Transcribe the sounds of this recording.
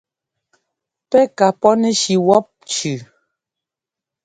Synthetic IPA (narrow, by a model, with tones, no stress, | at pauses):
pɛ˦ka˨pɔ˦nɛ˦ʃi˨wɔ˦p̚t͡ʃʉ˨